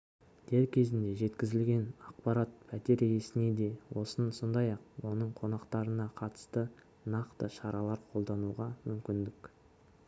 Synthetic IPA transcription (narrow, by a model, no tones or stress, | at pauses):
d̪̥eɾkʲʰe̞zɪnd̪e̞ʒe̞t̪kʲɪzɪlɡʲe̞nɑqpɑɾat̪̚pʰæt̪e̞ɾje̞sɪne̞d̪e̞wʔo̞sənso̞nd̪ɑjɑq̚wo̞nəɴqʰo̞nɑqt̪ɑɾənɑqʰɑt̪ə̥st̪ə | nɑqt̪əʃɑɾɑlˠɑɾqʰo̞lˠd̪ɑnuʁɑmʏmkʲɪnd̪ɪkʲ